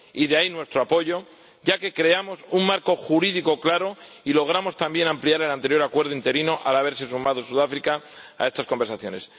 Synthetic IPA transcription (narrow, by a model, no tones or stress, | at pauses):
iðeainwe̞st̪ɾoapo̞ʝo̞ | ɟ͡ʝake̞kɾe̞amo̞suŋmaɾko̞xuɾiðiko̞klaɾo̞ | ilo̞ɣ̞ɾamo̞st̪ambje̞nampliaɾe̞lant̪ejo̞ɾakwe̞ɾðoint̪e̞ɾinoʔalaβ̞e̞ɾse̞sumaðosuðafɾikaa̰e̞st̪asko̞mbeɾsaθjo̞̰ne̞s